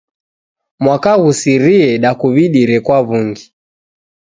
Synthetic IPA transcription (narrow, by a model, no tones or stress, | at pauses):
mwakaɣusiɾiɛɗakuβiɗiɾɛkwaβuŋɡi